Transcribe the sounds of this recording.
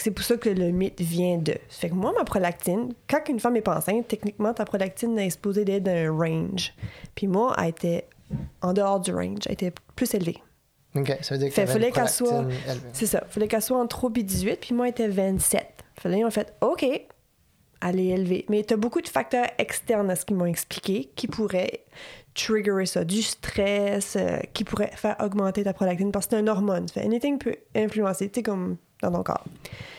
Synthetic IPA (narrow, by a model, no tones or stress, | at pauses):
fɛksɛpuʁsʌkələmɪt̪vjɛ̃d̪ə̰fɛkmwamapχɔlak̚t̪ɪnkɑ̃kynfamɛpɑ̰̃sɛ̃t̪ɛknikmɑ̃t̪apχɔlak̚t̪ɪnaɛkspozed̪ɛd̪ə̃ʁɛ̃nʒpʰimwaʔa̰et̪ʰɛ | ɑ̃d̪əɔːʁd̪yʁɛ̰̃nʒa̰ḛt̪ɛplyselve | okesaviːfɛffɔlɛkɛswasesʌ̰ifɔlɛkɛswaɑ̃t̪χobid̪izɥɪt̪̚pʰimwaet̪ɛvɛ̃t̪sɛ̰t̪falɛmɔ̃fɛt̪okʲe | aleːlvḛmɛt̪yabokud̪əfak̚t̪œːʁɛkst̪ɛʁnasə̥kʲimɔ̃ɛksplikʲekʲʰipʰuʁɛt̪ʁiɡøʁesʌd̪yst̪χɛsø̰kʲipuʁɛfɛːʁɔɡmɑ̃t̪et̪apχɔdɛk̚t̪ɪnpase̥t̪ɛ̃nɔʁmɔnfɛ̰̃ɛ̰nit̪ɪ̃ŋpʰøɛ̃flyɑ̃set͡sekɔm | d̪ɑ̃t̪ɔ̃kɑ̰ːʁ